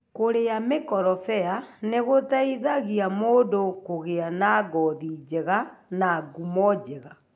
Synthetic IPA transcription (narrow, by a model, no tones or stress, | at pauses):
koɾejamekɔɾɔfɛaneɣotaiðaɣiamoːdokoɣeanaɡɔðiːd͡ʒeɣanaːɡumɔd͡ʒeɣa